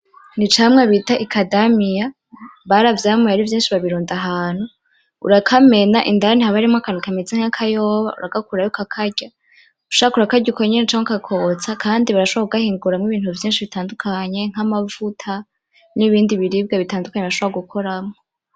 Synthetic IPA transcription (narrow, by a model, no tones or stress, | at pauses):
nit͡ʃamŋeβitaʔikʰadamija | βaɾavjamejaɾivjiːnʃiβaβiɾuːndaɦaːn̥hu | ṵɾakʰame̞naʔindaanihaβaɾimakanukamizeŋakʰajoːβa̰ṵɾaɡakuɾajokakʰaɟa | uʃoakuɾakaɟukʰoɲenet͡ʃaːŋakakʰo̞t͡sakʰaːndiβaɾaʃoβakuɡahiːŋɡuɾamŋiβiːn̥huvjiːnʃiβitaːndukʰaɲe̞ŋ̥amavutʰa | niβiːndiβiɾiːb̚ɡeβitaːndukaɲeβɾaʃoβɾaɡukʰo̞ɾamŋo